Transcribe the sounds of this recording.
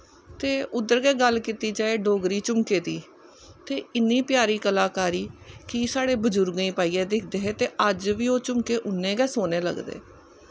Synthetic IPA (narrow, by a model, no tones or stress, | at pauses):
t̪eːʊd̪əɾɡɛːɡəlkit̪iːd͡ʒaːeːɖoːɡɾiːt͡ʃʊmkeːt̪iː | t̪eːɪnːiːpɪjaːɾiːkəlaːkaːɾiːkiːsaːɽeːbəd͡ʒʊɾɡĩːpaːiːɛːd̪ɪkʰd̪eːɦeːt̪eːʔəd͡ʒʋiːoːt͡ʃʊmkeːʔʊnːẽːɡɛːsoːneːlə̰ɡd̪ḛː